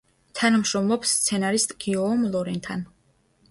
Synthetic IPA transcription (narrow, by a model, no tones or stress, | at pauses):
t̪ʰanamʃɾɔmlˠɔpst̪sʰɛnaɾist̪ʼɡiɔmlˠɔɾɛnt̪ʰan